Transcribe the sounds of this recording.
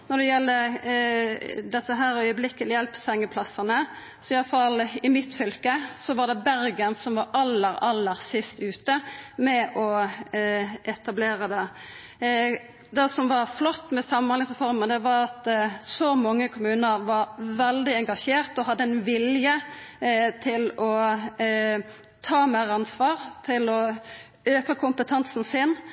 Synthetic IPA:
nɔd̪ɛjɛlːə | d̪ɛsːəɦæːɾœʏəblɪkːəlɪjɛlpsɛŋːəpʰlɑsɑnə | sɔɪjɑləfɑlːɪmɪt̪fʏlkəsɔʋɑd̪ɛbæɾɡənsɔmʋɑɾʔɑlːəɾɑlːəɾsɪst̪ʉːt̪əmɛʔɔ | ʔɛt̪ɑbleːɾəd̪ɛ | d̪ɛsɔmʋɑɾflɔt̪ːmɛsɑmɑnɑnɪŋsfɔɾməd̪ɛʋɑɾɑt̪sɔmɑŋːəkʰʊmʉːnəɾʋɑɾʋɛld̪ɪɛŋɡɑʂeːɾt̪ɔhɑd̪ːəɛnʋɪljə | t̪ʰɪlɔ | t̪ʰɑːmæɾɑnsʋɑːɾt̪ʰɪlɔ | øːkɑkʰʊmpət̪ʰɑnsn̩sɪn

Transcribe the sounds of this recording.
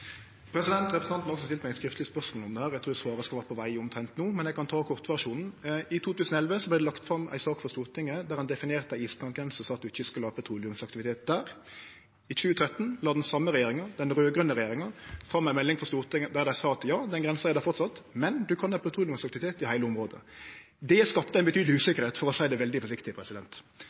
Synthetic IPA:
pʰɾɛsɪd̪ɛnt̪ʁɛpɾəsn̩ɑnt̪nɔksɔst̪ɪlt̪mæɪskɾɪft̪lɪspœʂmɔlɔmd̪ɛhæːɾæɡt̪ʰuːd̪ɛsʋɑːʁəskɑlʋæːəpʰɔʋæɪɔmt̪ʰɾɛnt̪nuːmɛnjɛɡkʰɑnt̪ʰɑːkʰɔʁt̪ʋæʂuːnn̩ɪt̪ʰuːt̪ʉːsnɔɛlʋəsɔblɛd̪ɛlɑkt̪fɾɑmʔæ̰ɪsɑːkfɔʁst̪uːʁt̪ɪŋːəd̪æɾhɑnd̪ɛfɪneːʁt̪æɪiːsbɑnɡɾɛnsɔsɑːt̪̚d̪ʉɪçəskʉləɑːpʰət̪ʰɾuːlɪʉmsɑk̚t̪ɪʋɪt̪eːt̪̚d̪æːɾ | ɪc͡çʉːət̪ʰɾɛt̪ːn̩lɑːd̪nsɑmːəʁɛjeːɾɪŋənd̪ɛnʁøːɡɾœnːəʁɛjeːʁɪŋənfɑmːæɪmɛlːɪŋfɔʁst̪uːʁt̪ɪŋəd̪æɾd̪æɪsɑːɑt̪jɑːd̪ɛnɡʁɛnsnɛd̪ɛfɔʁt̪sɑt̪mɛnd̪ʉkʰɑnɑpʰɑt̪ɾuːlɪʉmsɑkt̪ɪʋɪt̪ʰeːt̪ɪhæɪləɔmʁoːd̪ə̰ | d̪ɛskɑt̪ːət̪ænbət̪ʰyːd̪lʉːsɪkːəɾheːt̪fɔɾɔsæɪd̪ɛʋɛld̪ɪfɔʂɪkt̪ɪpʰɾɛsɪd̪ɛnt̪

